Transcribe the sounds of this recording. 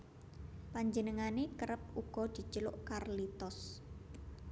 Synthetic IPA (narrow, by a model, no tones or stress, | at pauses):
paɲd͡ʒənəŋanekəɾəp̚uɡ̥ɔ̤d̪̥i̤t͡ʃəlʊʔkarlit̪ɔs